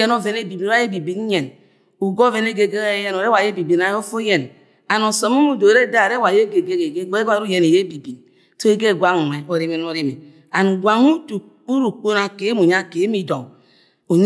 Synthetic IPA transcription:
e˦no˦ve˨ne˦bi˨bi˨n˦a˦je˦bi˨bi˨˦n˦ɲɛ˨n | u˨ɡo˦ve˦ne˦ɡe˨ɡe˦je˦no˨ɾe˦wa˨je˦bi˨bi˨na˨jo˦fo˦je˨n | a˨no˨so˨˦mu˦mu˦˨do˨ɾe˦da˦˨ɾe˦wa˨je˦ɡe˨ɡe˦ɡe˨ɡe˦a˦ɾu˦je˨ne˨je˦bi˨bi˨n | so˦i˦ɡe˦˨ɡʷa˦ŋ˨n˨e˨o˨ɾi˦me˨n˦o˨ɾi˦me˨ | a˨n˨ɡʷa˨ŋu˦tu˨ | u˦ɾu˨k͡po˦na˨ke˨˦mu˨ɲa˦˨ke˨˦mi˦˨do˨ | o˨ɲ

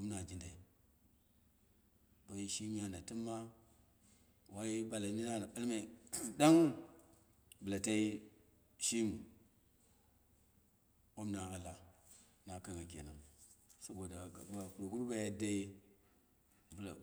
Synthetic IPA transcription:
o˦m˦na˨d͡ʒi˦nda˨i˨ | ba˨ji˦ʃi˦mi˦ja˨na˨ti˦mːa˦ | wa˦ji˦ba˨la˨ni˦na˦na˨ɓa˦lma˨i˨da˦ŋ | bu˨la˨ta˦i˦ | ʃi˦mu˨ | o˦mna˨a˨la˨ | na˨ka˦ŋɡa˨ɡ̬ʲḛ˨na˨ŋsa˦ɡo˨da˨a˨kɾo˨ɡu˦ɾba˦ja˦da˦i˦ | bu˨la˨

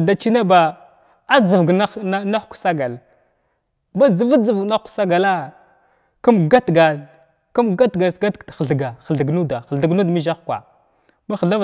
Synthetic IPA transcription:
da˨t͡ʃi˦na˦ba˨ | a˦d͡zə˨vɡa˦na˦xksa˦ɡa˨l | ba˦d͡zə˨va˦d͡zə˨vɡna˦xksa˦ɡa˨la˦ | kə˦mɡa˦tɡa˨ | kə˦mɡa˦tɡa˨sɡa˦ttxə˨ɮɡa˨xə˨ɮə˨ɡnu˦da˨xə˨ɬə˨ɡu˦dmi˦ʒa˦xkʷa̰˨ | ma˦xə˨ɮa˦v

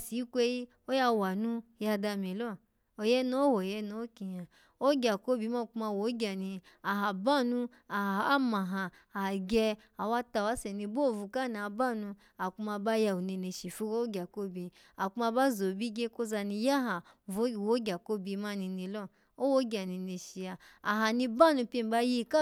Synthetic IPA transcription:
si˨˦kʷe˧i˦ | o˦ja˧wa˨nũ˦ja˧da˧mi˨lɔ˦˨ | o˨jɛ˦nu˦o˦wo˨jɛ˧nu˧˦o˦ki˧ja˨ | o˦ɡʲa˨ko˦bi˧˦ma˦˨ku˧˦ma˧˨wo˨˦ɡʲa˨ni˧ | a˨ɦa˨ba˦nu˧ | a˨a˦ma˨ɦaː˧˨ | ɡʲɛ˧ | a˨wa˦ta˧wa˦sɛ˨ni˧bo˦˨vu˧ka˦˨na˨ba˦˨nu˧ | a˨ku˧ma˧ba˦ja˧u˨ni˧ne˧ʃi˨fu˦ɡo˦o˦ɡʲa˨ko˦bi˧ | a˨ku˦ma˧ba˦zo˨bi˦ɡe˦ko˦za˧ni˧ja˦ɦa˨˦˨wo˦ɡʲa˨ko˦bi˧ma˦ni˧ni˧lɔ˦ | o˦wo˦ɡʲa˨ni˧ni˧ʃi˨jaː˧˨ɦa˨nĩ˧ba˦˨nu˧pʲe˧˨ba˧ji˧ka˦

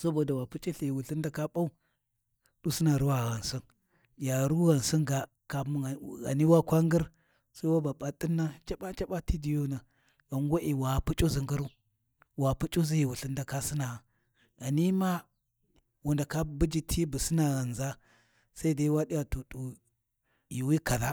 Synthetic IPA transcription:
sa˦bo˨da˨wa˨pu˦t͡ʃʼi˦ɬi˨i˨wu˨ɬi˦nda˦ka˦ɓa˦u˦ | d̥u˦si˦na˨ɾu˦wa˨ɣa˨nsi˦n | ja˨ɾu˦ɣa˨nsi˦nɡa˨ | ka˨m˦˨ɣa̰˨ni˦wa˦kʷa˦ŋɡi˦ɾ | sa˦i˦wa˦ba˨ɓa˨tʼi˦nːa˦t͡ʃa˦ɓa˦t͡ʃa˦ɓa˦ti˦di˨jo˦na˨ | ɣa˨ŋɡo˦ʔi˨wa˨pu˦t͡ʃʼo˦zi˨ŋɡu˦ɾu˦ | wa˨pu˦t͡ʃʼo˦zi˦ji˨wu˨ɬi˦n˦da˨ka˦si˦na˨a˨ | ɣa˨ni˦ma˦ | wu˨nda˨ka˦bu˦d͡ʒi˦tʰi˦bu˨si˦na˨ɣa˨nza˦ | sa˦i˦da˦i˦wa˦di˦ja˨tu˨tu˨ | ji˨wi˦ka˨ða˦

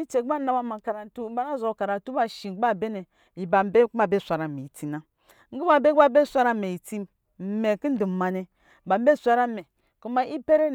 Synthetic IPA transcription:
i˦t͡ʃe˨˦a˦na˦wa˦ma˨ka˨ɾa˨n˨tu˦ba˦na˦˨zo˨ka˨ɾa˨tu˦ba˨ʃi˨˦a˦˨be˦ne˨ | i˨ba˨m̩˦be˦kma˦˨be˦˨sʷa˨ɾa˨me˨i˨ti˨na˨ | ŋ̩˦ɡu˦ba˨be˦a˦˨be˦˨sʷa˦ɾa˦˨me˨i˨ti˦m | m̩˨me˨ki˦n̩˦du˨m˨ma˨ne˨ | ba˨m̩˦be˦˨sʷa˦ɾa˦me˨ | ku˦ma˨i˦pe˦ɾe˦

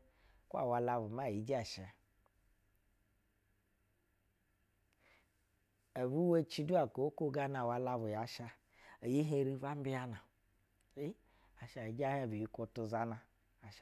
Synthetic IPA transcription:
kʷa̰˨wa˧la˧bu˨m˦a˦˨ji˨d͡ʒi˦a˨ʃe˨ | a˨bu˦we˦t͡ʃi˧du˦a˨ko˨˦ko˦ɡa˦na˨wa˧la˧bu˨ja˨ʃa˧ | e˨ji˦ɦe˧ɾi˧va˦m˦bi˦a˦na˨ | i˦ | a˨ʃa˨i˨˦d͡ʒa˦he˦˨bi˨ji˦kʷo˧tu˧za˧na˧ | a˨ʃ

